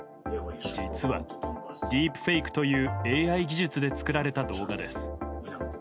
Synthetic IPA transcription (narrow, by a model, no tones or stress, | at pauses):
d͡ʑit͡sɨβa̰d̪ʲiːpɯ̟̥ɸeikɯ̟̥t̪o̞jɯ̟ːe̞ːaiɡʲiʑɨt͡sɨd̪e̞t͡sɨ̥kɯ̟ɾaɾe̞t̪ad̪o̞ːɡad̪e̞̰sɨ̥